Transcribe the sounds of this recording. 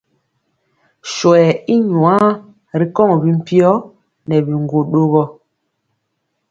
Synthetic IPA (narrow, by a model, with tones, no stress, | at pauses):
ʃwɛ˨i˦ɲwã˦ | ɾi˨kɔ˦ŋ˨bi˦m̩˦pi˦ɔ˦ | nɛ˨bi˨ŋɡo˨ɗo˦ɣɔ˦